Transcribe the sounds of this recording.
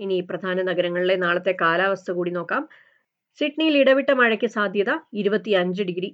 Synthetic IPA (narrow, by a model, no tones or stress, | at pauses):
iniprɐd̪ʱaːnɐnɐɡɐɾɐŋːɐɭiɽe̞naːɭɐt̪ːe̞kaːlaːʋɐst̪ʰɐkuːɽino̞ːkːaːm | siʈɳijiliɽɐʋiʈːɐmɐɻɐkʲːɨsaːd̪ʱjɐðɐiɾubɐt̪ːiɐɲd͡ʑɨɖiɡɾi